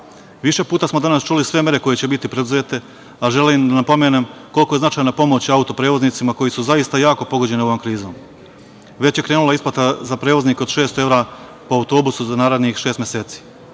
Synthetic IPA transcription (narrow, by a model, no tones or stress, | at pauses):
ʋiʃe̞puːt̪asmod̪anast͡ʃulisʋe̞mje̞ɾe̞ko̞je̞t͡ɕebit̪ipɾe̞d̪uze̞ːt̪e̞ | aʒe̞limd̪anapo̞me̞nemko̞lˠkojznat͡ʃaːjnapo̞mo̞t͡ɕaut̪o̞pɾe̞ːʋo̞znit̪simako̞jesuzaist̪ajaːko̞po̞ɡo̞d͡ʑe̞nio̞ʋomkɾiːzo̞̰m | ʋe̞t͡ɕje̞kɾe̞ːnulaisplat̪azapɾe̞ːʋo̞zniːkeo̞d̪ʃe̞ːst̪oe̞ʋɾa | po̞aut̪o̞ːbusuzanaːɾed̪nixʃe̞ːst̪mjese̞ːt̪si̥ː